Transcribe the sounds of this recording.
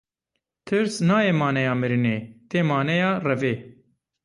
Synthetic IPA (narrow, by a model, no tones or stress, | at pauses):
t̪ʰɨɾsnɑːjeːmɑːnɛjɑːmɨɾineːt̪eːmɑːnɛjɑːrɛveː